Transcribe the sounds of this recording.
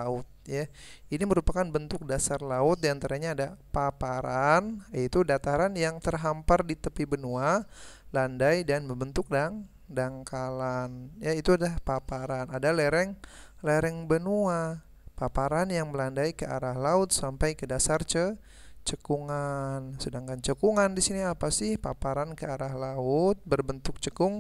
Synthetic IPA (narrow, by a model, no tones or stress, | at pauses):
aʊt̪̚jainiməɾupakanbənt̪ʊk̚dasarlaʊt̪̚diant̪aɾaɲaːdapapaɾanit̪udat̪aɾanjaŋt̪ərɦampardit̪əpibənualandajdanməbənt̪ʊk̚daŋ | daŋkalanjait̪uadapapaɾanadalɛɾɛŋ | lɛɾɛŋbənua | papaɾanjaŋməlandajkəʔaɾahlaʊt̪̚sampajkədasart͡ʃə | t͡ʃəkuŋansədaŋkant͡ʃəkuŋandisiniapasɪhpapaɾankəaɾahlaʊt̪̚bərbənt̪ʊk̚t͡ʃəkʊŋ